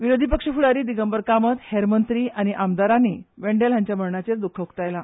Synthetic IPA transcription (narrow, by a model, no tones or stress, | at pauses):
ʋiɾod̪ʱipəkʂəfuɽaɾiːd̪iɡəmbəɾkamət̪heɾmənt̪ɾiːʔañiʔamd̪aɾaniʋeɳɖelɦãɲt͡ɕjaməɭɳat͡ɕeɾd̪ukʰːəukt̪ajla